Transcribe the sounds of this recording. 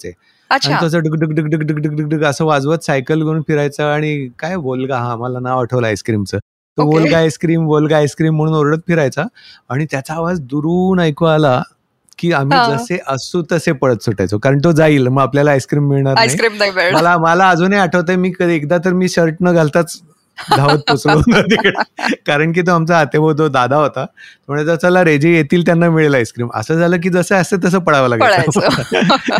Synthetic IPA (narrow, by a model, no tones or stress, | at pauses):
t͡se | əaɽ̃it̪osəɖəkɖəkɖəkɖəkɖəkɖəɡɖəɡ̚ɖəɡəsəːʋad͡zʋət̪sajkəlɡʱeɾuːnpiɾajt͡saaɽ̃ikajʋolɡaɦãməlanaʋaʈʰəʋlaajskɾiːmt͡səː | t̪əʋolɡajskɾiːmʋolɡaajskɾiːm̤ːəɽ̃uːnoɾɽət̪̚fʰiɾajt͡saːɽ̃it̪jat͡saːʋad͡zd̪uɾuːnajkoala | kiːam̤iːd͡zəseʔəsut̪əsepəɽət̪soʈa̰jt͡sokaɾəɳt̪od͡zaiːlməɡapljalaːjskɾiːmːiɭɳaɾnasjkɾiːmnajbeməlaməlaːd͡zʱonajaʈʰəʋt̪ajmiːkəd̪iekd̪at̪əɾmiːɕəɾʈnəɡʱalt̪at͡s | dʱaʋət̪̚put͡slod̪əd̪ikɽekaɾəɳk̬iːt̪̬oamt͡saat̪ebʱəd̪od̪ad̪ʱaɦot̪at̪ɾməɳed͡zəsalaɾed͡ʑejet̪iːlt̪janːamiɭeləajskɾiːmə̰səːd͡zʱaləːk̬iːd͡zəseəset̪̬əs̬əːpəɽ̤aʋalaɡəɽaaj